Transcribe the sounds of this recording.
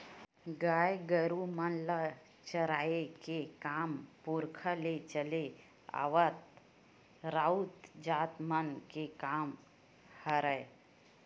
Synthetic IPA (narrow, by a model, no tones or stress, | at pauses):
ɡaːjɡəɾumənlə | t͡ʃəɾaːekekaːmpuɾkʰəlet͡ʃəle | a̰ːʋət̪̚ | ɾaːut̪d͡ʒaːt̪mənkekaːm | həɾəe